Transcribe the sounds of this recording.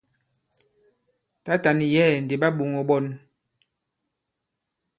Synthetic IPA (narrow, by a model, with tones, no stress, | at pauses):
ta˦ta˨ni˨jɛː˦˨n˨de˨ɓa˦ɓo˨ŋɔ˨ɓɔ˦n